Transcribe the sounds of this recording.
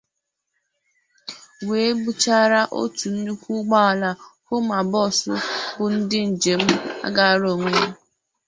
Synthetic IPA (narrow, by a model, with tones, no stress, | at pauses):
we˨˦ɡ͡bu˦t͡ʃa˦ɾa˦ʔo̰˦tu˨n̩˦nu˦kʷu˦ɡ͡ba˦˨la˨kʷʊ˦ma˨bɔ˦˨sʊ̰˦bʊ˨n̩˦dɪ˦n̩˨d͡ʒe˨m̩˦a̰˦ɡa˨ɾo˨ŋʷe˦